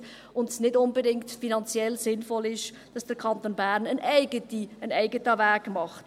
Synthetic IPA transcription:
ʊndsnɪdʊnbədɪŋktfinɑnt͡sjɛlsɪnfɔlɪʃ | d̥ɑsd̥əɾkʰɑntoːnbæɾnənʔɛɪɡ̥ətiənɛɪɡətəvæːɡmɑχt

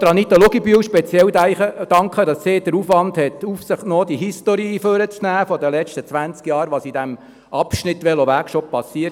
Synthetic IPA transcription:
d̪ɾɑnit̪əloɡibyəwʃpɛt͡sjɛlæɪəd̥ɑŋkχədɑssɪːd̥əɾufʋɑnd̪hɛt̪ufsəχtnoːd̥̪iɦist̪oɾiːføɾət͡snæːfɔdəlɛt͡ʃtət͡sʋænt͡skjɑːɾʋɑsid̥̪æm | ʔɑpʃnɪt̪ʋɛloʋækʃɔp̚pːɑsiːət

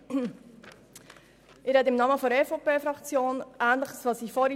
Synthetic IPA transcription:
ʔɪɾɛt̪ɪmnɑməfɔɾɛfopeːfɾɑkt͡sjoːnʔæːnləχəsʋɑsiːfɔɾi

